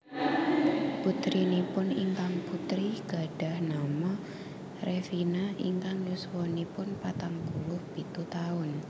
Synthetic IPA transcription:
put̪ɾinepʊnḭŋkaŋput̪ɾiɡ̥a̤ɖ̥a̤hnamɔ | rʔefinaḭŋkaŋluswɔnipʊnpat̪aŋpulʊhb̥it̪ut̪aʊn

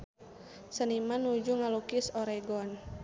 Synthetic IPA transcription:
sənimanud͡ʒuŋalukɪsoɾɛɡɔn

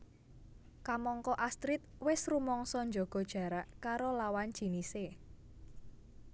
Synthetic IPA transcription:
kamɔŋkɔʔast̪ɾɪt̪̚wɪsrumɔŋsɔɲd͡ʒɔɡ̥ɔ̤d̥ʒ̥ä̤ɾaʔkaɾolawand̥ʒ̥i̤nise

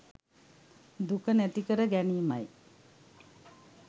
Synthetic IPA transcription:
d̪ukənæt̪ikəɾəɡæniːmaj

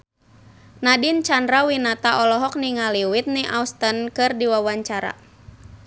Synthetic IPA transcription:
nadint͡ʃandɾawinat̪aʔɔlɔɦɔk̚niŋaliwit̪̚niʔaust̪ənkɨrdiwawaɲt͡ʃaɾa̰

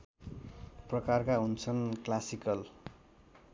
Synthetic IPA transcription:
prʌkarkaɦunt͡sʰʌnklasikʌl

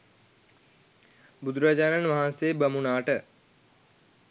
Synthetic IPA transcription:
bud̪uɾad͡ʒaːnanʋaɦanseːbəmunaːʈə

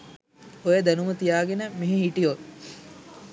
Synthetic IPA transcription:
ojəd̪ænumət̪ijaːɡenəmeɦeɦiʈijo

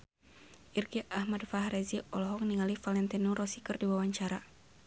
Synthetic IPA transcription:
ʔirɡiʔahmadfaɦɾɛziɔlɔɦɔk̚niŋalifalɛnt̪ɛnuɾɔsikərdiwawaɲt͡ʃaɾa

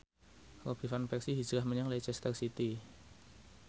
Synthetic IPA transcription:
rob̥i̤fanpɛksiɦi̥d͡ʒ̥ɾahməɲaŋlet͡ʃɛst̪ərsit̪i

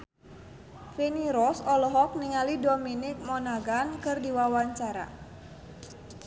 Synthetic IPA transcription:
feniɾɔsɔlɔɦɔk̚niŋalidɔminɪk̚mɔnaɡankɨrdiwawaɲt͡ʃaɾa̰

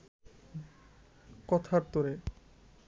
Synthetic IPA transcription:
kɔt̪ʰaɾt̪oɾe

